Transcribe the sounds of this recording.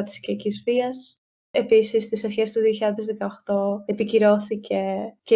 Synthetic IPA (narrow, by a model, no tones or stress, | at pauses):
t̪i̥scicizviɐs | episist̪isɐɾçe̞st̪uðio̞çiʎɐðezðekɐoxt̪o̞epiciɾo̞θice̞ce